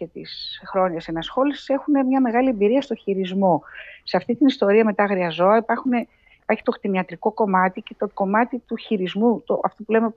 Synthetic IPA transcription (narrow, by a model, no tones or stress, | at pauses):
ce̞t̪isxɾo̞ɲɐsenɐsxo̞lisi̥se̞xune̞mɲɐme̞ɣɐlie̞mbiɾiɐst̪o̞çiɾizmo̞seɐft̪it̪inist̪o̞ɾiɐme̞t̪ɐɣɾiɐzo̞ɐipɐɾxune̞ | ipɐɾçi̥t̪o̞xt̪iniɐt̪ɾiko̞ko̞mɐt̪ice̞t̪oko̞mɐt̪it̪uçiɾizmut̪oʔɐft̪o̞pule̞me